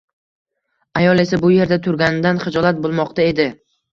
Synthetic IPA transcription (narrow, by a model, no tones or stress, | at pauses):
ajɒlˠe̞sabʊje̞ɾd̪at̪ʰʊɾɡʲanɪd̪anχɪd͡ʒɒlˠat̪̚bolˠmɒqt̪ae̞d̪ɪ